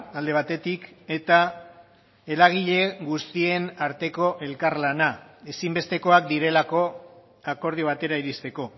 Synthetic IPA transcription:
ald̪e̞β̞at̪e̞t̪ike̞t̪a | e̞ɾaɣ̞iʎe̞ɡust̪ie̞naɾt̪e̞ko̞ʔe̞lkaɾlanae̞simbe̞st̪e̞ko̞ak̚d̪iɾe̞lako̞ | ako̞ɾð̞ioβ̞at̪e̞ɾaiɾist̪e̞ko̞

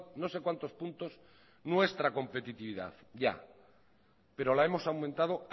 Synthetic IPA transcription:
no̞se̞kwant̪o̞spunt̪o̞s | nwe̞st̪ɾako̞mpe̞t̪it̪iβiða̰θ | ɟ͡ʝa̰ | pe̞ɾo̞lae̞mo̞sawmẽnt̪að̞o̞

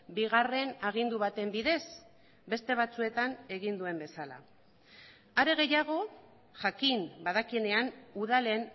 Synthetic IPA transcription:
biɣ̞are̞naɣ̞ind̪uβ̞at̪e̞mbiðe̞s | be̞st̪e̞β̞at͡sue̞t̪ane̞ɣind̪ue̞mbe̞sala̰ | aɾe̞ɣ̞e̞jaɣ̞o̞ | ʝakinbaðakie̞ne̞anuðalen

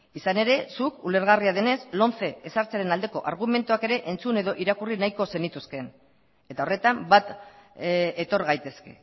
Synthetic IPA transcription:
isane̞ɾe̞sukule̞ɾɣariað̞e̞ne̞slo̞nθe̞ːsaɾt͡seaɾe̞nald̪e̞ko̞̰ʔaɾɣ̞ume̞nt̪uake̞ɾe̞ʔe̞nt͡sune̞ðo̞ʔiɾakurinajko̞se̞nit̪uske̞n | e̞t̪ao̞re̞t̪ambat̪ | et̪o̞ɾɣajt̪e̞ske̞̰

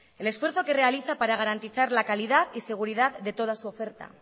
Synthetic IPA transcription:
e̞le̞sfweɾθo̞ke̞re̞aliθapaɾaɣ̞aɾant̪iθaɾlakaliðaðise̞ɣ̞uɾið̞aððe̞t̪o̞ð̞asuo̞fe̞ɾt̪a̰

